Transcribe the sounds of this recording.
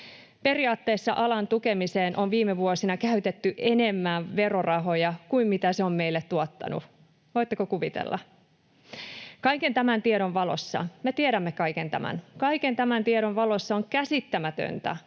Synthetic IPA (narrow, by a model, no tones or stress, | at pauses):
pe̞riɑːt̪ːeːsːɑ̰ʔɑlɑnt̪ukemiseːnʔonʋiːmeʋuosinɑkæyt̪et̪ːyʔene̞mːæʋe̞ro̞rɑɦo̞jɑkuimmit̪æseo̞mme̞jlːet̪tuot̪ːɑ̰nṵ | ʋojt̪ːekokuʋit̪ḛlːɑ̰ | kɑike̞nt̪æmænt̪ieɾo̞nʋɑlo̞̰sːɑ̰met̪ieɾæmːekɑikent̪æ̰mæ̰nkɑikent̪æmænt̪ieɾonʋɑlo̞sːɑoŋkæsit̪ːæmæt̪ø̰nt̪æ̰